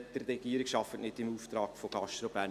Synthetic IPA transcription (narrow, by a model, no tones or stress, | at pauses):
d̥ərrɛɡ̥iəɾɪkʃɑfətnɪtɪmuːft̪ɾɑːkfoɡ̥ɑʃtɾobæ